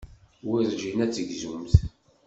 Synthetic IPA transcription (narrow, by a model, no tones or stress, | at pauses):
wiɾˤʒinæt͡sːəɡzumθ